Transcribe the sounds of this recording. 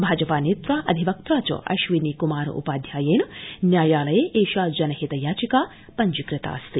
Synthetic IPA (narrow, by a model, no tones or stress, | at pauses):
bʱaːd͡ʒɐpaːneːt̪ɾaːʔɐd̪ʱiʋɐk̚t̪ɾaːt͡ʃɐ̰ʔɐ̰ʃʋinikumaːɾɐ̰ʔṵpaːd̪ʱjaːjeːnɐnjaːjaːlɐjeːʔeːʃaːd͡ʒɐnɐɦit̪ɐjaːt͡ʃikaː | pɐɲd͡ʒikɾɪt̪a̰ːst̪i